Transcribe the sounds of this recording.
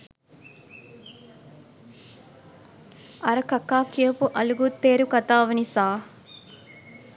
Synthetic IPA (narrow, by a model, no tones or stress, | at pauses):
ɐɾɐkɐkːaːkijɐpuʔɐluɡut̪ːeːɾukɐt̪aːʋɐnisaː